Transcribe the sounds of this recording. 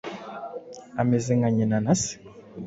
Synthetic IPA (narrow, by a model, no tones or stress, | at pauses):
a̰mezeŋɡaɲenanasi̥